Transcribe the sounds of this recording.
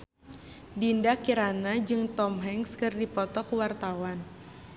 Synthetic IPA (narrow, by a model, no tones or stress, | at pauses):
dindakiɾanad͡ʒɨŋt̪ɔmɦɛŋskɨrdipɔt̪ɔkuwart̪awan